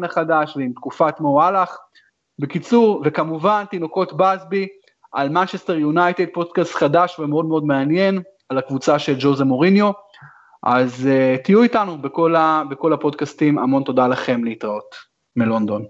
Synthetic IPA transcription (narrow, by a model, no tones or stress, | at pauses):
naχadaʃveimt̪kufatmoalaχ | bekit͡suʁvekamuvant̪ino̞ko̞tbazbi | ʔalmant͡ʃest̪eʁjunajt̪ed̪̚po̞dkastχadaʃvemeo̞dmeo̞dmeanje̞n | alakvut͡saʃe̞ld͡ʒozemo̞ʁinjo̞ | ʔaztijuitanubeko̞labeko̞lapo̞dkastima̰mo̞nto̞dalaχe̞mleitʁaot | melo̞nd̪o̞n